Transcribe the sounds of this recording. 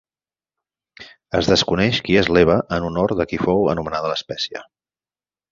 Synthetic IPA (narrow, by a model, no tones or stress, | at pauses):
əzðəskunɛʃkiezleβ̞əʔənunoɾðəkifowə̰numənað̞ələspɛsiə̰